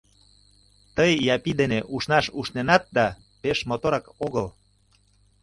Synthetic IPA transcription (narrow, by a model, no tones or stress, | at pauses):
t̪əjːɑpid̪eneʔuʃnɑʃuʃnenɑt̪̚d̪ɑ | peʃmot̪oɾɑkoɣəl